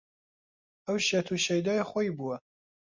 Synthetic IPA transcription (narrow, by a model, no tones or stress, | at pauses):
ɐwʃet̪ʰuːʃejd̪ɑːjxojbuwɐ